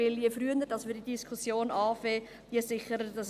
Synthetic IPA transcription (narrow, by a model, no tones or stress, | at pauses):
ɪljefɾryənəɾdɑsmɪːdidiskʰʊsjoːnɑːfeː | d̥iəsɪχəɾəd̥ɑs